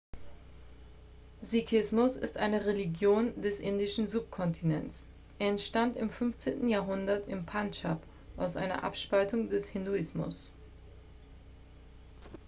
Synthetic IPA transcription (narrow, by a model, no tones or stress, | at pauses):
zikʰɪsmʊsɪ̰stʔaɪnəʁeliɡjoːndɛsʔɪndɪʃn̩zup̚kʰɔntʰinɛ̰ns | ʔeːɐɛntʃtantɪmfʏnft͡seːntn̩jaɐɦʊndɐtɪmpʰant͡ʃap | ʔaʊsʔa̰ɪnɐ̰ʔa̰pʃpaltʊŋdɛshɪnduɪsmʊ̰s